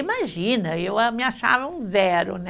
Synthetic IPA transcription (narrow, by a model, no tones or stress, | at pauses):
imaʒĩnɐewamɪaʃa̰vɐũzɛɾʊ̰nɛ